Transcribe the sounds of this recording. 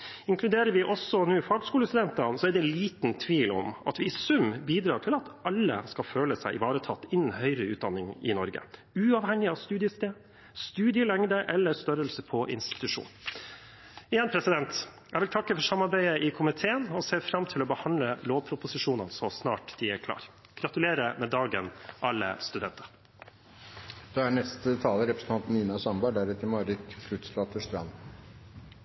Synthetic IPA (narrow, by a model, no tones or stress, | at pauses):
ɪŋkʰlʉd̪eːɾəɾʋɪʔɔsɔnuːɪfɑːɡəskuːləst̪ʉd̪ɛnt̪ɑnsɔɛɖɛliːt̪nt̪ʰʋiːlɔ̰mɑ̰t̪ʋɪɪsʉmbiːd̪ɾɑːʈʰɪlɑt̪ɑlːə̰skɑføːləsæɪʔɪ̰ʋɑːɾət̪ʰɑt̪ːɪnːn̩hœʏɾəʉːd̪ɑnːɪŋɪ̰nɔɾɡə̰ | ʉɑʋhɛŋːɪɑʋst̪ʉːd̪ɪəst̪eː | st̪ʉːd̪ɪəlɛŋd̪əʔɛlːəɾst̪œɾəlsəpʰɔʔɪ̰nst̪ɪ̥t̪ʉʂṵːn | ɪjɛnpʰɾɛsɪd̪ɛnt̪ | æɪʋɪlt̪ʰɑkːəfɔʂsɑmɑɾbæɪəʔɪkʰʊmɪt̪ʰeːənɔseːfɾɑmt̪ʰɪlɔbəhɑnləloːʋpʰɾʊpʊsɪʂuːnə̰nsɔsnɑ̰ːʈd̪̥iækʰlɑ̰ːɾ | ɡ̥ɾɑt̪ʉleːɾəmɛd̪ɑːɡə̰nʔɑlːə̰st̪ʉd̪ɛ̰nt̪əɾ | d̪̥ɑhæɳɛst̪ət̪ʰɑːləɾɛpɾəsən̩t̪ɑnt̪n̩niːnɑsɑmbɑɖ̪æɾɛt̪ːəɾmɑɾɪt̪fʰɾʉt̪slɑːt̪əʂt̪ɾɑ̰n